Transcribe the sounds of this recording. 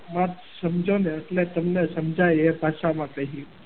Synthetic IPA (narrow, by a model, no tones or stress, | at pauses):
mãt̪ | səmd͡ʒoneeʈlet̪əmnesəmd͡ʒʱajebʱaʃamãkəɦi